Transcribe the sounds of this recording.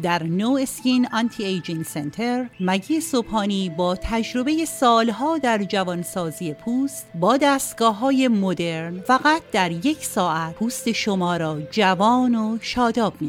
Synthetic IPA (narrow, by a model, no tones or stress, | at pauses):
d̪æɾnoescinɒnt̪ʰiejd͡ʒinsent̪ʰeɾmæɟiːesophɒːniːbɒːt̪ʰæd͡ʒɾo̞be̞je̞sɒːlɦɒːd̪æɾd͡ʒævɒnsɒːziːje̞pʰuːst̪bɒːd̪æːst̪ɡɒːɦɒːje̞mod̪e̞ɾnfæɣæt̪̚d̪æɾje̞cʰsɒːʔæt̚pʰuːst̪e̞ʃomɒːɾɒːd͡ʒævɒːnoʃɒːd̪ɒːb̥mi